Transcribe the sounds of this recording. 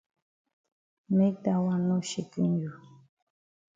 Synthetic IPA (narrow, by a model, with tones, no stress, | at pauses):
me˦k̚ta˨wa˦˨nɔ˦ʃi˨ki˦nju˨